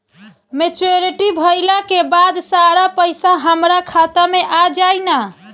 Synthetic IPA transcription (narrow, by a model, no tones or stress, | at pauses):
met͡ʃoɾiʈibʱəjlakebad̪saɾapəjsaɦəmɾakʰat̪ameʔad͡ʒajna